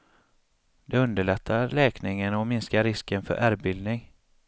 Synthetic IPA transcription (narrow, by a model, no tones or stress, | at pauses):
d̪̥ɛɵnd̪əɭɛt̪ʰːalɛːknɪŋənɔmɪnskaɾɪskənfœ̰ɾʔæːɾbɪld̪nɪŋ